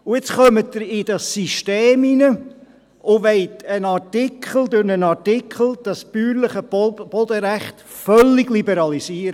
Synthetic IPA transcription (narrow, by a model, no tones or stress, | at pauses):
ʊɪt͡sχœmətːəɾɪdɑsiʃteːminə | ʊʋɛɪtənɑɾtikʰχl̩d̪ʊɾnənɑɾtɪkʰχl̩ˠd̥ɑspyːɾləχəb̥ɔd̪əɾæχt | fœlːɪɡlibɛɾɑlisiːəɾə